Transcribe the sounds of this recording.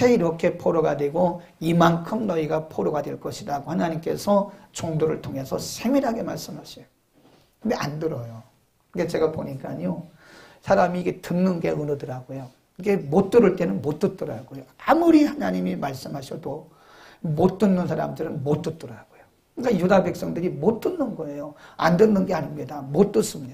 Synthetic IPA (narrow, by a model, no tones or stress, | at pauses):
sʰeiɾʌkʰe̞pʰoɾoɡadwe̞ɡo | imankʰɯmnʌiɡapʰoɾoɡadweɭk͈ʌɕʰidaɡohanaɲimk͈e̞̰sʰʌt͡ɕoŋdoɾɯɭtʰoŋe̞sʰʌsʰe̞ŋweɾɦaɡe̞maɭs͈ɯmɦaɕʰejo | kɯndea̰ndɯɾʌjo | knɡet͡ɕe̞ɡapoɲik͈aɲo | sʰaɾamiːɡe̞tɯnːɯnɡeɯnɯdɯɾaɡojo | iɡe̞mot͈ɯɾɯɭt͈e̞nɯnmot͈ɯt͈ɯɾa̰ɡojoamuɾihanaɲimimaɭs͈ɯmɦaɕʰʌdo | mot͈ɯnːɯnsʰaɾa̰mdɯɾɯnmot͈ɯt͈ɯɾaɡ̥ojo | ɯik͈ajudabe̞k̚s͈ʌŋdɯɾimot͈ɯnːɯnɡʌe̞joa̰ndɯnːɯnɡe̞aɲimɲidamot͈ɯs͈ɯmɲid̥a